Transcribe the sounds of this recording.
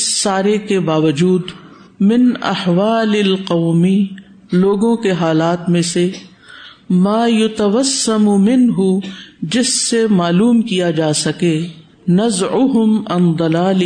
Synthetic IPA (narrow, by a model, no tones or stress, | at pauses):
sːaːɾekebaːʋɐd͡ʒuːd̪ | mɪnɐ̰hʋaːlɪlqɐːmi | loːɡõkeɦaːlaːt̪mẽse | maːjʊt̪ɐʋɐsːɐmʊmɪnɦʊd͡ʒɪsːemaːluːmkijad͡ʒaːsɐke | nɐzʕʊɦʊmɐ̰̃nd̪ˤɐlaːl